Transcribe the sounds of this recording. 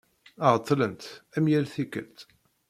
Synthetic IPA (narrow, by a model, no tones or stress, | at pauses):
əʁət̪ˤːlənt̪æmjælθikə̰lt̪